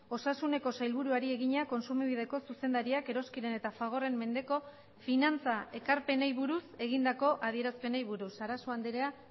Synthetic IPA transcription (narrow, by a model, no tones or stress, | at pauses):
o̞sasune̞ko̞sajlβ̞uɾuaɾie̞ɣiɲako̞nsumiβ̞ið̞e̞ko̞suse̞nd̪aɾiake̞ɾo̞skiɾe̞ne̞t̪afaɣ̞o̞re̞mːe̞nd̪e̞ko̞ | finant͡sae̞kaɾpe̞nejβuɾuse̞ɣ̞ind̪ako̞ʔað̞ie̞ɾaspe̞nejβuɾusaɾasoand̪eɾea